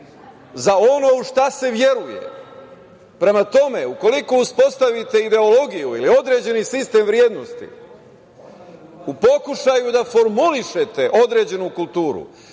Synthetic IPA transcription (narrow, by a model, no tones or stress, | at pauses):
zao̞no̞uʃt̪ase̞ʋje̞ɾujḛ | pɾe̞mat̪o̞me̞uko̞liko̞uspo̞st̪aʋit̪e̞id̪e̞o̞lo̞ɡijuḭlio̞d̪ɾe̞ːd͡ʑe̞nisist̪e̞ːmʋɾje̞ːd̪nost̪ḭ | upo̞kuʃajud̪afo̞ɾmuliʃe̞t̪e̞ʔo̞d̪ɾe̞ːd͡ʑe̞nukulˠt̪uːɾṵ